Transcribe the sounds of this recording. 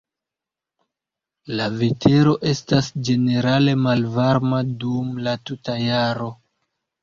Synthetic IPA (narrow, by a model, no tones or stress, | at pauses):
lave̞tʰe̞ɾo̞ʔe̞stasd͡ʒe̞ne̞ɾale̞malvaɾmadumlatutajaɾo̞